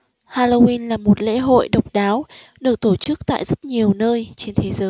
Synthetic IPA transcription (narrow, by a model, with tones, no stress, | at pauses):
haː˧lo˧wi˧nlaː˨˩mo˨˩t̚lḛ˧˥ɦo̰˧˨jɗə˨˩wk͡p̚ɗaː˨˦w | ɗɨ˨˩ək̚t̪o˧˩t͡ɕɨ˦˥k̚t̪a̰ː˧˨jzə˦˥t̚ɲi˨˩əwnəː˧jt͡ɕe˧nt̪ʰe˨˦zəː˨˦j